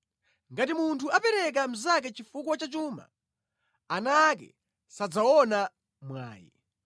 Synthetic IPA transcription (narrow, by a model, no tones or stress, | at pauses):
ŋɡatimuntʰuapɛɾɛk̬am̩zak̬ɛt͡ʃifuk̬wat͡ʃat͡ʃuːma̰ | anak̬ɛ̰ | sad͡zaɔna | mwa̰ːjɛ̰